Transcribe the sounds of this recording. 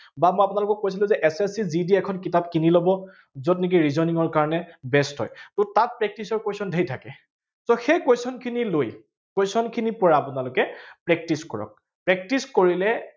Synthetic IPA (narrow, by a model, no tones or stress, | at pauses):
bamɔjapʊnalʊkɔk̚ːojs̬ilʊ̃zɛʔɛsɛsizidiɛkʰɔnkitap̚kinilobɔ | zɔtnik̬iɹizɔɹniŋɔɹkaɹɔnɛbɛstɦɔ̰jtʊtat̚pɹɛk̚tisɔɹkwesɔndʱejtʰakɛ | soxejkwesɔnkʰiniloj | kwesɔnkʰinipɔɹaːpʊnalʊkɛpɹɛk̚tiskɔ̰ɹɔ̰k̚ | pɹɛk̚tiskoɹilɛ